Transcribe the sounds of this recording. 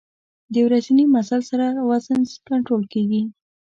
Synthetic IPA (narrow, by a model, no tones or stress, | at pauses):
d̪əjewɾazinimasalsaɾawazənskaɳʈɾolkeɡi